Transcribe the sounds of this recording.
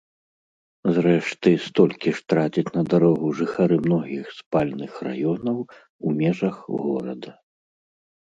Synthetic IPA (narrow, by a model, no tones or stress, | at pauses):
zɾɛʂt̪ɨst̪ɔlʲkʲiʂt̪ɾad͡zʲit͡sʲnɐd̪aɾɔɣuʐɨxaɾɨmnɔɣʲixspalʲnɨxra̰jɔnɐw | umʲɛʐɐxɣɔ̰ɾɐ̰d̪ɐ